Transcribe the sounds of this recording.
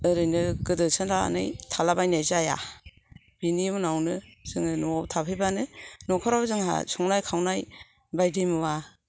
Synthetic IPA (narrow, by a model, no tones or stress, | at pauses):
ɯɾɯjnɯɡɯdɯsʰɯnɾaa̰nɯ̰jtʰalabajnajzaja̰ | b̥inimɯnawnɯz̥ɯŋɯnɔtʰapʰɯjbanɯnɔkʰɔɾabzɯŋɦa̰sɔŋnajkʰawnaj | bajdɯmɯwa